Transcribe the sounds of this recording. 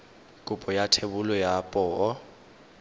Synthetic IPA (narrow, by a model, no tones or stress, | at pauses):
kʼʊpʼɔjatʰebʊlɔjapʼɔɔ